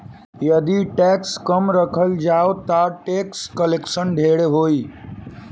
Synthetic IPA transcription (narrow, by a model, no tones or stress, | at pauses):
jəd̪iʈɛkskəmɾəkʰəld͡ʒaot̪aʈekskəleksənɖʱeɽeɦoːi